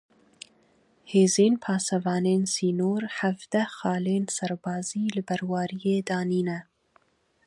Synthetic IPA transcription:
heːzeːnpʰɑːsɛvɑːneːnsiːnoːɾħævd̪ɛxɑːleːnsɐɾbɑːziːlɨbɛɾwɑːɾijeːd̪ɑːniːnɛ

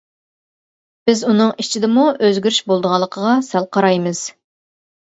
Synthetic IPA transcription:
b̥ɪzunɨŋit͡ʃʰid̪ɪmuøzɡʲyɾyʃbolˠd̪əʁɑlˠːəqʰəʁɑsælˠqʰɑɾɑjmɨz̥

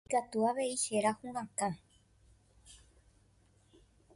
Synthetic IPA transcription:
kat̪uaʋe̞iʃe̞ɾahũʋãkã

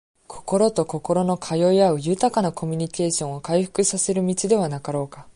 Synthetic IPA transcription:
kʰo̞̥ko̞ɾo̞t̪o̞ko̞ko̞ɾo̞no̞kʰajo̞iaɯ̟jɯ̟t̪akanakʰo̞mʲiɲ̟ike̞ːɕõ̞ɰ̃o̞kaiɸɯ̥kɯ̟sase̞ɾɯ̟mʲit͡ɕid̪e̞β̞anakaɾo̞ːka

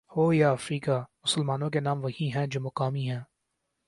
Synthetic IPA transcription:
hoːjaːɐfɾiːkaːmʊsəlmaːnõk̬enãːmʋɐɦiɦɛ̃ːd͡ʒoːmʊqaːmiɦɛ̃ː

